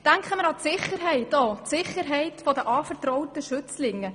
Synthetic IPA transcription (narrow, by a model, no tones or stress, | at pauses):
d̥æŋkχəməɾɑtsɪχəɾɦɛɪtoːtsɪχəɾɦɛɪtfɔdəʔɑːfəɾtrɔʊtəʃʏt͡slɪŋːə